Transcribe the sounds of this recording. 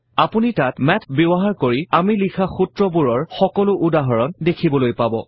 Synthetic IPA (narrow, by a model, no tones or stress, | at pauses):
apunitatmɛtʰbebɔɦaɹkoɹiamilikʰaxutɹɔbuɹɔɹxɔkɔlʊʔudaɦɔɹɔndekʰibɔlojpabɔ̰